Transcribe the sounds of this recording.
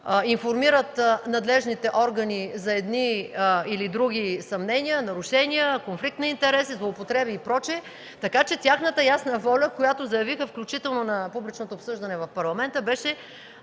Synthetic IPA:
infoɾmiɾət̪nɐd̪lɛʒnit̪ɛʔɔɾɡənizɐɛd̪niilid̪ɾuɡ̟ʲisɐmnɛnʲiənɐɾʊʃɛniəkonflik̚t̪nɐint̪ɛɾɛsizlˠoːpot̪ɾɛbiːpɾɔt͡ʃiɛ | t̪ɐkat͡ʃɛt̪ʲjaxnət̪əjasnəvɔlʲəkojat̪ozɐjɐvixəfklʲut͡ʃit̪ɛlˠnonɐpublit͡ʃnot̪oːpsɤʒd̪ɐnɛvɐfpɐɾlˠɐmɛnt̪əbɛʃɛ

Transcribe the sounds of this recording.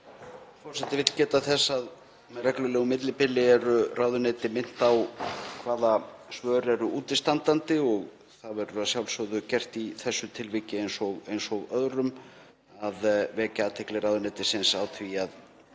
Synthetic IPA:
fɔrsɛt̪ːɪvɪt̪lcɛːt̪aθɛsːað | mɛðrɛklʏlɛːɣʏmɪt̪lɪpɪlːɪɛɾʏrʔaːwðʏnɛːt̪ɪmɪn̥t̪awkʰvaːðasvœːɾɛɾʏuːt̪ɪst̪ant̪ant̪ɪɔɣ | θaðvɛɾʏasjawlsœðʏcɛr̥t̪iθɛsːʏt̪ʰɪlvɪcɪejnsɔɣejnsɔɣœðɾʏm | aðvɛːcaaːt̪ʰɛklɪraːwðʏnɛt̪ɪsɪnsawt̪ʰviað

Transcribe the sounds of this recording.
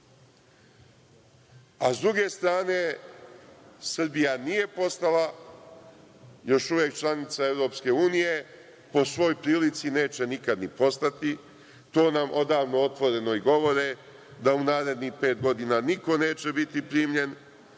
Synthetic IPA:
azd̪ɾuɡe̞st̪ɾaːne̞ | sr̩bijanije̞po̞st̪ala | jo̞ʃuʋjeːk̚t͡ʃlˠanit̪sae̞ʋɾo̞ːpske̞uːnije̞ | po̞sʋo̞jpɾiːlit̪sine̞ːt͡ʃe̞nikad̪nipo̞st̪at̪i | t̪o̞ːnamʔo̞d̪aːʋno̞ot̪ʋo̞ɾe̞no̞iɡo̞ʋo̞ɾe | d̪aunaːɾe̞d̪nixpe̞ːt̪ɡo̞d̪inaniko̞ne̞ːt͡ʃe̞bit̪ipɾiːmʎe̞n

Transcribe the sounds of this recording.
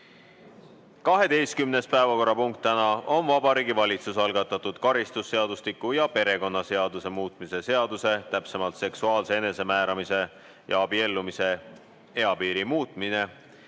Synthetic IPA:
kɑɦe̞d̪e̞jst̪̚kymne̞spæevɑko̞ɾːɑpuŋk̚t̪ːænɑo̞nvɑbɑɾiːɡivɑlʲit̪susɑlɡ̥ɑt̪ːˑɑt̪ːˑud̪̥kɑɾist̪usːe̞ɑd̪uslikujɑpe̞ɾe̞ko̞nːɑse̞ɑd̪̥use̞muːt̪ˑmise̞se̞ɑd̪use̞t̪æpse̞mɑlt̪se̞ksuɑːlse̞ene̞se̞mæːɾɑmise̞ | jɑ̰ɑbie̞lːumise̞ | e̞ɑpiːɾimuːt̪ˑmine̞

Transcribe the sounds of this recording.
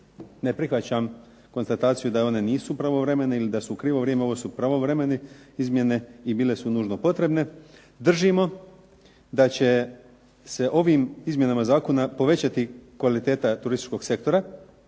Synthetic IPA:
ne̞pɾixʋat͡ɕam | ko̞nst̪at̪aːt̪sijud̪ao̞ne̞niːsupɾaʋo̞ʋɾe̞me̞neilid̪asukɾiːʋo̞ʋɾʲjemeo̞ʋosupɾaʋo̞ʋɾe̞meneizmje̞ne̞ibiːle̞sunuːʒno̞po̞t̪ɾe̞bne̞ | d̪r̩ʒimo̞ | d̪at͡ɕe̞ | se̞ʔo̞ʋimizmje̞namazaːko̞napo̞ʋe̞t͡ɕat̪ikʋalit̪eːt̪at̪uɾist̪i̥t͡ʃko̞ɡse̞k̚t̪o̞ɾa

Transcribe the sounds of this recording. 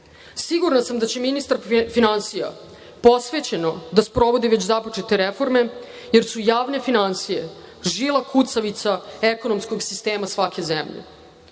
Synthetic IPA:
siɡuɾnasamd̪at͡ɕe̞minist̪aɾfinansija̰ | po̞sʋe̞t͡ɕeno̞d̪aspɾo̞ʋo̞d̪iʋet͡ɕzapo̞t͡ʂe̞t̪eɾefo̞ɾme̞ | jeɾsujaːʋne̞finansije̞ | ʒilˠakʰut̪saʋit̪saeko̞no̞msko̞ɡsist̪e̞ːmasʋake̞zemʎḛ

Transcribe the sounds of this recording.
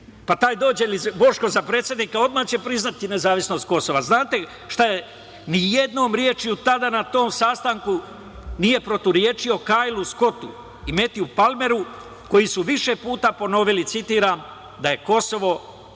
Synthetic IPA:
pat̪aːjd̪oːd͡ʑelibo̞ʃko̞zapɾe̞ːt̪sjed̪niːkao̞d̪maht͡ɕe̞pɾiznat̪ine̞zaːʋisno̞st̪̚ko̞so̞ʋaznaːt̪e̞ | ʃt̪aje | nijed̪no̞ːmɾjeːt͡ʃijut̪ad̪anat̪o̞ːmsaːst̪aŋku | nije̞pɾot̪uɾjeːt͡ʃio̞kaːjlˠusko̞t̪ṵ | ime̞t̪iupalme̞ɾu | ko̞jisuʋiʃe̞puːt̪apo̞no̞ʋilit̪sit̪iːɾam | d̪aje̞ko̞so̞ʋo̞

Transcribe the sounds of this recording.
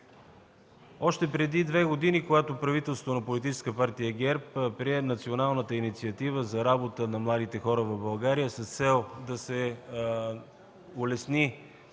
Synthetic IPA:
ɔʃt̪ɛpɾɛd̪id̪vɛɡod̪inikoɡat̪opɾɐvit̪ɛlˠsot̪onɐpolit̪it͡ʃɛskəpaɾt̪ijəɡɛɾppɾiɛnɐt̪sionalˠnət̪əinit̪siət̪ivəzɐɾabot̪ənɐmlˠad̪it̪ɛxɔɾəvɐbɐlˠɡaɾijəsəst̪sɛlˠd̪ɐsɛ | olɛsni

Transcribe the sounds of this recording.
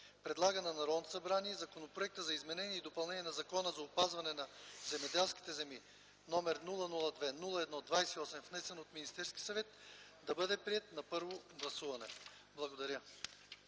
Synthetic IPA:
pɾɛd̪lˠaɡənɐnɐɾɔd̪nosɐbɾaniɛzɐkonopɾoɛk̚t̪əzɐizmɛnɛniɛid̪opɐlˠnɛniɛnɐzɐkɔnəzɐopazvɐnɛnɐzɛmɛd̪ɛlˠsk̟i̥t̪ɛzɛmi | nɔmɛɾnulˠənulˠəd̪vɛnulˠɐɛd̪nɔd̪vajsɛiɔsɛmvnɛsɛnot̪minist̪ɛɾskʲi̥sɐvɛt̪ | d̪ɐbɤd̪ɛpɾiɛt̪̚nɐpɤɾvoɡlˠɐsuvɐnɛ̰ | blˠɐɡod̪ɐɾʲjə

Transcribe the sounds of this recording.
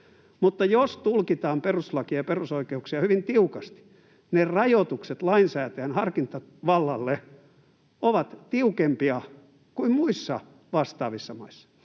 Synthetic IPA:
mut̪ːɑjost̪ulkit̪ɑːmperuslɑkiɑjperusoikeuksiɑhyʋint̪iukɑst̪i̥ | nerɑjot̪ukset̪lɑinsæːt̪æænhɑrkint̪ɑ | ʋɑlːɑlːe | oʋɑt̪t̪iukempiɑ | kuimmuisːɑ | ʋɑst̪ɑːʋisːɑmɑisːɑ̥

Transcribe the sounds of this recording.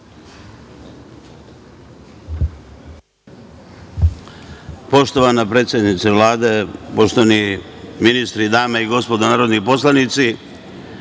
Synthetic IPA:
po̞ʃt̪o̞ʋanapɾeːt̪sʲjed̪nit̪seʋlˠaːd̪epo̞ʃt̪oʋaniminist̪ɾid̪aːmaiɡo̞spo̞d̪onaːɾo̞d̪nipo̞slanit̪si

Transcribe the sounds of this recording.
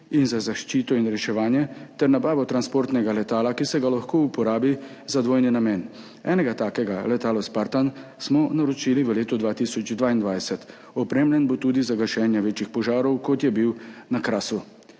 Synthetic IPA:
inzazaʃt͡ʃiːt̪ɔinɾɛʃɛʋaːnjɛt̪ɛɾnabaːʋɔt̪ɾanspoːɾt̪nɛɡalɛt̪aːlakisɛɡalaxkoːupɔɾaːbi | zad̪ʋoːjninameːn | ɛ̰ːnɛɡat̪aːkɛɡalɛt̪aːlɔspaɾt̪ansmɔnaɾɔt͡ʃiliʋəleːt̪ɔd̪ʋaːt̪isɔd͡ʒd̪ʋaːind̪ʋaːjsɛt̪ | ɔpɾeːmljɛnbot̪uːd̪izaɡaʃɛːnjɛʋeːt͡ʃixpɔʒaːɾɔwkɔt̪jɛbiwnakɾaːsu

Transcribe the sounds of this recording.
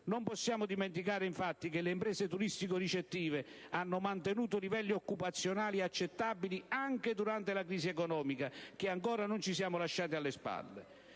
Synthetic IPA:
nompɔsːjaːmʊd̪iment̪ikaːɾɪiɱfat̪ːikɪlːeimpɾɛːzet̪uɾist̪ikoɾit͡ʃet̪ːiːve | anːʊmant̪enuːt̪ʊlivɛlːiɔkːupat̪sːjonaːliat͡ʃːet̪ːabiliaŋked̪uɾant̪elakɾiːsiɛkɔnɔːmikak̟ɪaŋkɔːɾanʊnt͡ʃisjaːmʊlaʃːaːt̪̬ɪalːespa̰lːḛ

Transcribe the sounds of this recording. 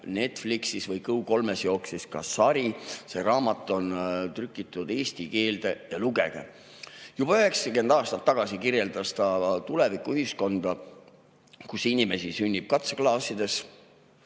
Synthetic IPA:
ne̞t̪ˑfliksisvɤjkɤuko̞lmesjo̞ːksiskɑ̰sɑɾise̞ɾɑːmɑt̪ːˑo̞nt̪rykːˑit̪ːˑud̪̥e̞ːst̪ike̞ːld̪̥ejɑluɡe̞̰ɡ̥ḛ | jub̥ɑyɦe̞ksɑke̞nd̪ɑːst̪ɑt̪ːɑɡ̥ɑsikirje̞ld̪̥ɑst̪ɑt̪ule̞vikːˑuyhisko̞nd̪̥ɑ | kusinʲime̞sisynʲːib̥̚kɑt̪seklɑːsid̪̥e̞s

